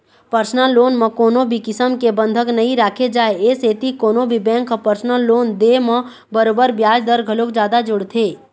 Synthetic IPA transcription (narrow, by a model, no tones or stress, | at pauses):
pəɾsnəlːoːnmə̃koːnõbʱikɪsəmkebə̃nd̪ʱəknəɦĩɾaːkʰed͡ʒaːeeseːt̪ikoːnõbʱibɛ̃ːŋkpəɾsnəlːoːnd̪emə̃ | bəɾoːbəɾbjaːd͡ʒd̪əɾɡʱəlokd͡ʒjaːd̪ad͡ʒʊɽt̪ʰeː